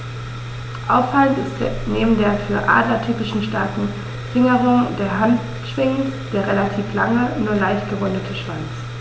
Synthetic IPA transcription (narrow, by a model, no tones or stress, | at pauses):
ʔaʊffaləntɪstd̥neːbm̩deːɐfyːɐʔa̰ːdlɐtʰyːpɪʃn̩ʃtaɐkŋ̩ | fɪŋəʁʊŋdeːɐɦant | ʃv̥ɪŋd̥eːɐʁelatʰiːflaŋənuːɐlaɪçt̚ɡ̥əʁʊndətʰəʃv̥ant͡s